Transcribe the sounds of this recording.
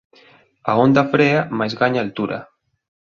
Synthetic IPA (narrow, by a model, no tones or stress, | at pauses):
aond̪afɾeamajzɣaɲaːlt̪uɾa̰